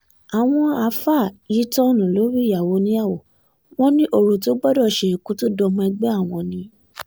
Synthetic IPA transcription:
a˨w̃ɔ̃˧a˨fa˦˨i˨˦tɔ˦nũ˨lo˨˦ɾi˦ja˨wo˨˦nĩ˦a˦˨wo˨ | w̃ɔ̃˦nĩ˦ʔo˧˨ɾu˨t̬o˨˦ɡ͡bɔ˦dɔ˦˨ʃe˧˨ku˨˦to˦dɔ˧mũ˦˧ɛ˧ɡ͡bɛ˦a˦˨w̃ɔ̃˧nĩ˧˦

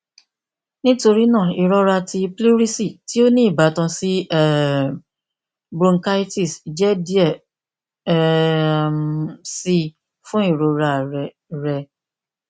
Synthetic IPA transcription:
nĩ˦to˧ɾi˦nãː˦˨i˨ɾɔ˦ɾa˧tʰi˧pli˦ɾi˦si˦˨ti˦o˦nĩ˦i˦˨ba˨˦tã˧si˦˨ | bɾõ˧ŋ˦ka˦i˦ti˦˨sd͡ʒɛ˦di˦ɛ˦˨ | msi˦ | fũ˦i˦˨ɾo˨ɾa˧ɾɛ˨ | ɾɛ˧

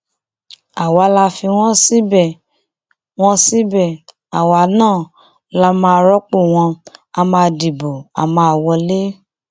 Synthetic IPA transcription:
a˨wa˨˧˦la˧fi˧w̃ɔ̃˦si˦bɛ˦˨ | w̃ɔ̃˦si˦bɛ˦˨ | a˨wa˨˦nãː˦˨ | la˧˦mãː˧ɾɔ˦k͡po˦˨w̃ɔ̃˧a˧mã˧di˨bo˨a̰˨mãː˧˨wɔ˧le˦

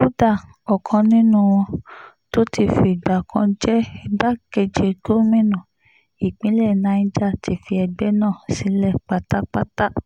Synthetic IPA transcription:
o˦da˦˨ | ɔ˨kʰɔ̃˧nĩ˦nũ˦w̃ɔ̃˧ | to˦ti˧˨fi˧˨ɡ͡ba˨kʰã˧˦d͡ʒɛ˦ba˦ke˧d͡ʒe˧ɡo˦mĩ˦nũ˨ | i˨k͡pĩ˨˦lɛ˦˨nã˧˦d͡ʒa˦˨ti˧˦fi˧ɛ˧ɡ͡bɛ˦nãː˦˨si˨˦lɛ˦˨k͡pa˦ta˦k͡pa˦ta˦

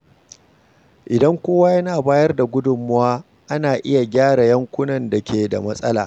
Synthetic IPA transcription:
ʔɪ˨dɐ˦ŋkʷoː˦waː˦jɐ˦naː˨baː˦jɐ˦rda˨ɡʷʊ˦dʊ˨mːʊ˦waː˦ | ʔa˦naː˨ʔɪ˦ja˨ɡʲaː˦ɽa˨jɐ˦ŋkʷʊ˦nɐ˨nda˨kʲeː˨da˨mɐ˦sʼɐ˦la̰ː˨

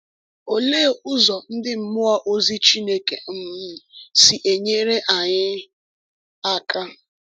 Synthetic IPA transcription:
o˨leː˦˨ʊ˦zɔ˨n̩˦dɪ˦m̩˦mʊ˦a˦ʔo˦zi˦t͡ʃi˦ne˦kḛ˨m̩˦˨si˨ʔe˨ɲe˦ɾe˦ʔa˨ɲɪ˦ | a˦ka˦

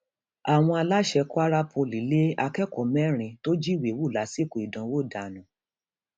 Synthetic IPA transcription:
a˨w̃ɔ̃˧a˧la˦ʃɛ˧kɔ˦a˦ɾa˦pʰo˧li˨˦le˦a˧kɛ˦kɔ˨mɛ̃˦ɾ̃ĩ˧to˦d͡ʒi˦˨we˨wu˦˨la˨˦si˦˨ko˨i˨dã˨˦wo˦˨da˨nũ˨˦

